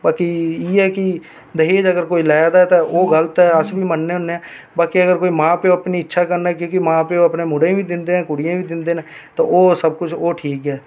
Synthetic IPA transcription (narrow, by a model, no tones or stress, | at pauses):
baːkiiːɛːkɪ | d̪əɦeːd͡ʒəɡəɾkoːiːlaːd̪aɛt̪aʔoːɡələt̪ɦɛːəsbʱiːmənːeːɦʊnːeɛ̃ː | baːkiəɡəɾkoːiːmãːpeoəpniːɪtːʃʰaːkəɾnaɛk̬jõːkimãːpeoːəpneːmʊɽẽbʱiːd̪ɪ̃nd̪eːɛ̃ːkʊɽijãːbiːd̪ɪnd̪eːnɛ̃ːt̪õ̰ːoːsəb̚kʊt͡ʃʰoːʈʰiːkɦɛː